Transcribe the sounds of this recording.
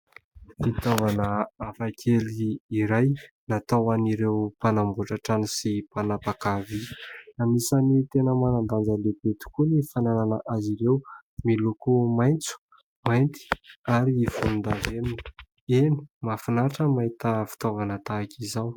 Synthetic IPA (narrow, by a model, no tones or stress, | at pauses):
fit̪ovanəafakʰeliːɾajnat̪awaniɾewpanambuʈ͡ʂaʈ͡ʂanisipanapakavinamisanit̪enəmanamb̪and͡zalebet̪i̥kunifanananəʔaziɾewmilukumajnt͡su̥ | majnt̪i̥aɾifunund̪avenuni̥ | eni̥mafinaʈ͡ʂəmaɦit̪əfi̥t̪ovanət̪akizaw